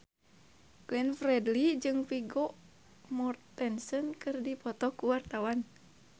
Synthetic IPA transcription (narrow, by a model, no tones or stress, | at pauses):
klɛnfrɛdlid͡ʒɨŋpiɡɔʔ | mɔrt̪ːɛnsɔnkɨrdipɔt̪ɔkuwart̪awan